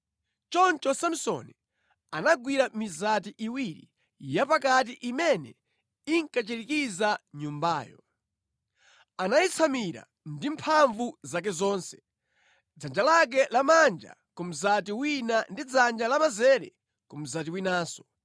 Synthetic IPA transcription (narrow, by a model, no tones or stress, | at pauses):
t͡ʃɔnt͡ʃɔsam̩sɔ̰ni | anaɡwiɾamizatiʔiwiɾḭ | japakat̬iʔimɛnɛ̰ | iŋkat͡ʃiɾikizaɲumbaːjɔ̰ | anait͡sʰamiɾa̰ | ndimpʰaɱvuzak̬ɛzɔːnsɛ̥ | d͡zand͡ʒalak̬ɛlamand͡ʒa̰ | kum̩zatiwinandid͡zand͡ʒalamazɛɾɛ̰ | kum̩zat̬iwinaːsɔ̥